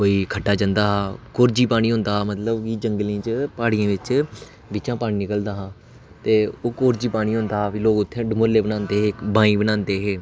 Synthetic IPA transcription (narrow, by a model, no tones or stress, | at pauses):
koːiːkʰəʈːaːd͡ʒãnd̪aːɦaːkoːɾd͡ʒiːpaːɽ̃iːɦõːnd̪aːmət̪ləbkid͡ʒəŋɡlĩːt͡ʃəpaːɽijãːʋɪt͡ʃ | bɪt͡ʃãːpaːɳiːnɪkəld̪aːɦãː | t̪eːoːkoːɾd͡ʒiːpaːɽ̃ĩːɦõːnd̪aːɦaːpiloːɡʊt̪ʰːẽːɖəmoɾleːbənãːnd̪eːɦeːbãːĩːbənãːnd̪eːɦeː